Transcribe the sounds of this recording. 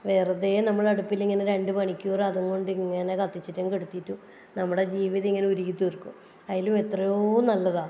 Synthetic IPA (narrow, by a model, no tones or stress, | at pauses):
ʋe̞ːrɐðeːnɐmːɐɭɐɽupːiliŋːɐneɾe̞ɳɖɨpɐɳikʲːuːrɐðuŋko̞ɳɖiŋːɐne̞kɐt̪ːit͡ɕːitːumkeɽut̪ːitːu | nɐmːuɽed͡ʑiːʋiðɐiŋːɐneuɾiɣit̪ːirkːum | ɐjaːlume̞t̪rɐjoːnɐlːɐða